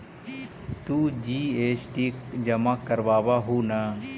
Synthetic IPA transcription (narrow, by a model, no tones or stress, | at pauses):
t̪uːd͡ʒiːeːt͡ʃʈikd͡ʒɐmakəɾʋaːʋaɦuna